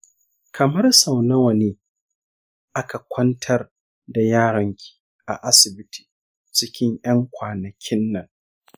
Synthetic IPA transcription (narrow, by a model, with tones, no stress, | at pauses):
kʰɐ˨mɐ˦rsa˨wnɐ˦wɐ˨neː˦ | ʔa˦ka˨kʷʰɐ˦ntʰɐ˦r | da˨jaː˦ɽɐ˨ŋkʲi̥ː˨ | ʔa̰˨ʔa˦sɪ˨bɪ˦tʰi̥ː˨ | t͡ʃɪ˦kʲɪ˦ɲjʔɐ˦ŋkʷaː˨nɐ˨kʲʰɪ˦nːɐ˨ŋ